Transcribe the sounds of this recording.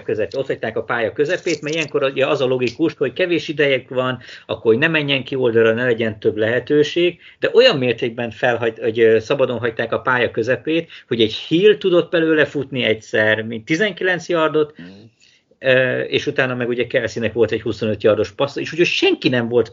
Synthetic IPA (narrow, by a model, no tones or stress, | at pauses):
køzɛpo̞t̪hɒc̚ʲt̪aːkɒpaːjɒkø̞zɛpeːt̪mɛɾijɛŋko̞ɾuɟɛɒzɒlo̞ɡikuʃho̞ckɛveːʃid̪ɛjɛkʋɒnɒ̰kːorhonɛmɛɲːɛŋkio̞ld̪ɒɾɒnɛlɛɟɛnt̪øblɛɦɛt̪øːʃeːɡ̚d̪̥ɛʔo̞jɒmːeːrt̪eːɡ̚bɛɱfɛlɦɒoɟsɒbɒd̪o̞nɦɒct̪aːkɒpaːjɒkøzɛpeːt̪ho̞ɟɛɟhiːlt̪ud̪o̞t̪̚ːbɛløːlɛfut̪niɛcsɛrmint̪ːizɛŋkilɛnt̪sjɒrd̪o̞t̪ | øḛːʃut̪aːnɒmɛɡuɟɛkɛlɛsinɛkʋo̞lt̪ɛchuso̞nøt̪jɒrd̪o̞ʃpɒsoeːʃucocʃɛŋkinɛɱvo̞lt̪